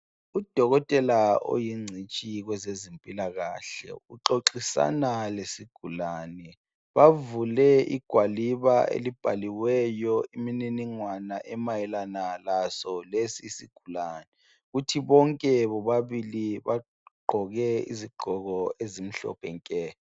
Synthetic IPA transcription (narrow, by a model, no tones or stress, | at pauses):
ud̥ʱɔɣɔtʼɛlao̰jiŋ͡ǀʱit͡ʃʼiɣwɛzezempʼilaɣaɬɛ̰uǁoǁisa̰nalesiɡ̥ʱulaːnɛ | βavulɛḭɡ̥ʱwaliβaḛlib̥ʱa̰liwɛjɔimininiŋwanaʔɛmajɛlanalasɔlesiːsiɡ̥ʱulanɛ | utʰiβɔŋkʼɛβɔβaβiliβa | ɡ͡ǃʱɔɣɛḭziɡ͡ǃʱɔɣɔezim̩ɬɔ̰pʰɛŋkʼɛː